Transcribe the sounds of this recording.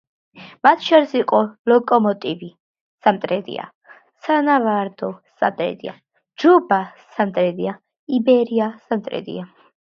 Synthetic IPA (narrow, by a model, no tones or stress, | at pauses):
mat̪ʰʃɔɾisiqʼɔlɔkʼɔmɔt̪ʼivi | samt̪ʼɾɛd̪ḭa̰ | sanavaɾd̪ɔsa̰mt̪ʼɾɛ̰d̪ḭa̰ | d͡ʒubasamt̪ʼɾɛd̪ia | ibɛɾiasamt̪ʼɾɛ̰d̪ḭa